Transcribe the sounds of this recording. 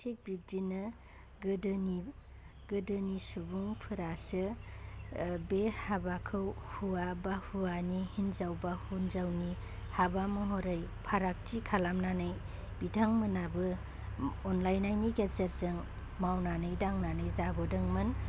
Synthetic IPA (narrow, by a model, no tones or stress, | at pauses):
tʰek̚bib̚dinɯ | ɡɯdɯni | ɡɯdɯnisubuŋpʰɯɾasɯ | behabakʰɯwhuabahuanihinzawbahunzawni | habamɯɦɔɾajpʰaɾak̚tʰikʰalamnanɯj | bitʰaŋmɯnabɯ | ɔnlajnajniɡesaɾzɯŋ | mawnanɯjdaŋnanɯjzabɯdɯŋmɯn